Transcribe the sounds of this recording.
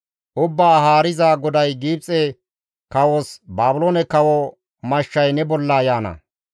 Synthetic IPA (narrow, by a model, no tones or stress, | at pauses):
ʔʊbːaːɦaːɾɪzaːɡɔd̪ɐjɡiːb̚t͡sʼɛ | kɐwosbaːbʊloːnɛkɐwɔ | mɐʃːɐjnɛbɔlːaːjaːnɐ̰